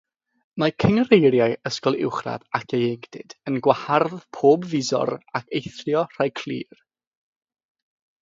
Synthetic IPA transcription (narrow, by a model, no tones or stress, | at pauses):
makʰəŋrejrjaɨəskɔlˠɪ̰wχra̰vakʰejeŋd̥ɪd̥ənɡwaharðpʰoːbvɪzɔ̰rakʰejθrjɔr̥ajkʰl̥ˠḭːr